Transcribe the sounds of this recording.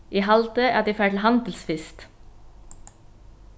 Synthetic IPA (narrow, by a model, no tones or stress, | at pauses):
ʔiːɦɑlt̪əæ̰ːd̪iːfæːʈl̩hɑnd̪l̩sfɪst̪